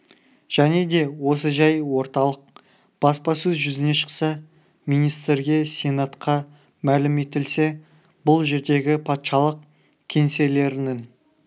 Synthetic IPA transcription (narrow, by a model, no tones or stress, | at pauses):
ʒ̥æne̞d̪e̞wo̞səʒɑjwo̞ɾt̪ɑlˠəq̚ | b̥ɑspɑsɵzʒʏzɪne̞ʃə̥qsɑ | mijnijst̪ɾɡʲe̞sʲe̞nat̪qʰɑ | mælɪme̞t̪ɪlse̞ | bʊlˠʒe̞ɾd̪e̞ɡʲɪpʰɑt̪ʃɑlˠəq | kʲʰe̞nse̞le̞ɾɪnɪŋ